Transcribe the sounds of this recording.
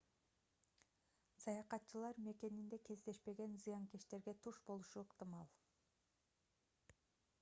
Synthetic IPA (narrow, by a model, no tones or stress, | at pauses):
sɑjɑqɑt̪t͡ʃɯlˠɑɾme̞ke̞nind̪e̞ke̞zd̪e̞ʃpe̞ɡe̞nzɨjɑŋkeʃt̪e̞ɾɡe̞t̪ʰuʃbo̞lˠuʃuɯqt̪ɨmɑlˠ